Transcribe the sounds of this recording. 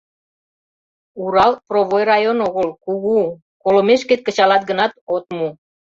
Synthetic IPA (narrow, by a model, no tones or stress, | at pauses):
uɾɑlproβojrɑjonoɣəlkuɣu | kolomeʃket̪̚kə̆t͡ɕɑlɑt̪̚ɡənɑt̪ot̪mu